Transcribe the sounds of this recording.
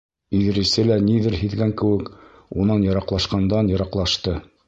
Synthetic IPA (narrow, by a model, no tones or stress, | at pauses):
iðɘ̆ɾɘ̆sɘlæniðɘɾhɘ̆ðɡæŋkɘ̆wɘk | unɑnjɤ̆ɾɑqlˠɑʃqɑnd̪ɑnjɤ̆ɾɑqlˠɑʃt̪ɤ